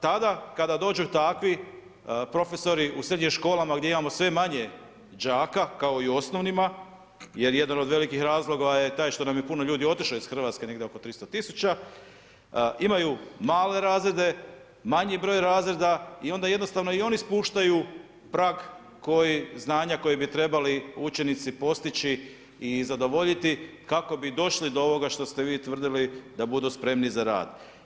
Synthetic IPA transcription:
t̪ad̪akad̪ad̪o̞ːd͡ʒut̪akʋi | pɾo̞fe̞so̞ɾiʔusɾe̞d̪ɲimʃko̞ːlamaɡd̪je̞imamo̞sʋe̞maɲe̞ | d͡ʒaːkakao̞iuo̞sno̞ʋnima | je̞ɾje̞d̪anod̪ʋe̞likixɾaːzlˠo̞ɡaje̞t̪aːjʃt̪onamjepuno̞ʎuːd̪io̞t̪iʃloizxr̩ʋaːt̪ske̞ne̞ɡd̪eo̞ko̞t̪ɾist̪ot̪isu̥t͡ɕa | ʔimajumaːle̞ɾaːzɾe̞d̪e̞ | maɲibɾo̞ːjɾaːzɾe̞d̪aio̞nd̪aje̞d̪no̞st̪aʋno̞io̞nispuːʃt̪aju | pɾaːɡ | ko̞jiznaːɲako̞jibit̪ɾe̞baliut͡ʃe̞nit̪sipo̞st̪it͡ɕi | izad̪o̞ʋo̞ʎit̪i | kako̞bid̪o̞ʃlid̪oo̞ʋo̞ɡaʃt̪o̞st̪e̞ʋiːt̪ʋr̩d̪ilid̪abud̪uspɾe̞mnizaɾa̰ːd̪

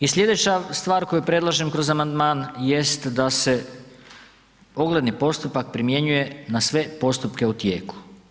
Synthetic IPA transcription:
isʎʲe̞d̪e̞t͡ɕast̪ʋaːɾko̞jupɾe̞dlˠaʒemkɾo̞zamand̪maːnjest̪d̪ase̞ | o̞ɡle̞d̪nipo̞st̪upak̚pɾimje̞ɲuje̞nasʋe̞po̞st̪upke̞ut̪jeːku̥

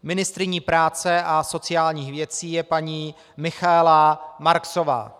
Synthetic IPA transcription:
mɪnɪst̪ɾɪɲiːpɾaːt͡sɛʔaso̞t͡sɪjaːlɲiːxvjɛt͡siːjɛpaɲiː | mɪxaɛlamaɾksova̰ː

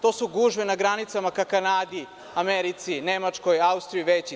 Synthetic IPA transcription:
t̪o̞ːsuɡuʒʋenaɡɾanit̪samakakanaːd̪i | ameɾit̪sinemat͡ʂko̞jaust̪ɾijuʋet͡ɕi

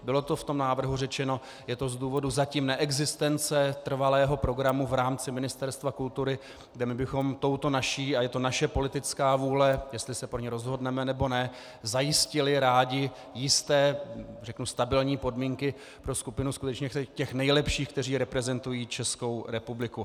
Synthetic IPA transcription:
bɪlo̞t̪o̞ft̪o̞mnaːvr̩ɦurɛt͡ʃɛno̞ | jɛt̪ozduːvo̞duzaciːmnɛʔɛɡzɪst̪ɛnt͡sɛt̪r̩valɛːɦo̞pɾo̞ɡɾamuvɾaːmt͡sɪmɪnɪst̪ɛɾst̪vakult̪uɾɪ | ɡdɛmɪbɪxo̞mt̪o̞wt̪o̞naʃiːajɛt̪o̞naʃɛpo̞lɪt̪ɪt͡skaːvuːlɛjɛst̪lɪsɛpɾoɲɛɾo̞zɦo̞dnɛmɛnɛbo̞nɛ | zajɪscɪlɪɾaːɟɪ | jɪst̪ɛːrɛknust̪abɪlɲiːpo̞dmiːŋkɪ | pɾo̞skupɪnuskut̪ɛt͡ʃɲɛcɛxnɛjlɛpʃiːxk̚t̪ɛriːɾɛpɾɛzɛnt̪ujiːt͡ʃɛsko̞wɾɛpublɪku

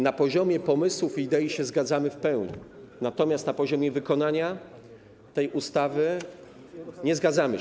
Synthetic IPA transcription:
napɔʑɔmʲjɛpɔmɘswufid̪ɛjiɕɛzɡad̪zamɘfpɛwɲḭ | nat̪ɔmʲjast̪napɔʑɔmʲjɛvɘkɔnaɲa | t̪ɛjʔust̪avɘ | ɲɛzɡad̪zamɘ

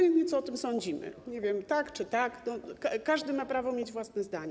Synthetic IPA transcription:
vʲeɲɛt̪sɔɔt̪ɘmsɔɲd͡ʑimɘ̰ɲɛvʲjɛmt̪akt͡ʂɘt̪aknɔkkaʐd̪ɘmapɾavɔmjed͡ʑvwasnɛzd̪aɲɛ

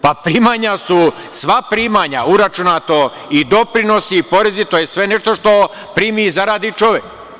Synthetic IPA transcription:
papɾiːmaɲasu | sʋapɾiːmaɲa̰uɾat͡ʃunat̪o | id̪o̞pɾino̞sipo̞ɾe̞zit̪ojesʋe̞neʃt̪oʃt̪o̞ | pɾiːmizaɾaːd̪it͡ʃo̞ʋek

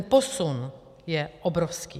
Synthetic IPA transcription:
nposun | jɛʔɔbɾofskḭː

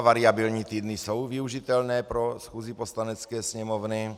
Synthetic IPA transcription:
vaɾɪabɪlɲiːt̪iːd̪nɪsowviuʒit̪ɛlnɛːpɾosxuːziposlanɛt͡skɛːsɲɛmovnɪ

